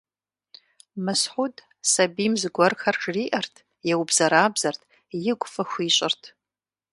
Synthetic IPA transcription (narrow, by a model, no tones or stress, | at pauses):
mɨsħʷudʼ | sabimzɡʷɔrxɐrʈ͡ʂʰriʔɐrtʰ | jawbzɐɾaːbzɐrtʰʼ | jɪɡʷʼfɐxʷiɕʷʼɪrtʰ